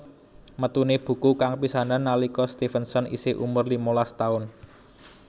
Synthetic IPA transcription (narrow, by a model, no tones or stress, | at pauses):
mət̪uneb̥ṳkukaŋpisananːalikɔst̪ifənsɔnḭseʔṵmʊrlimolast̪aʊn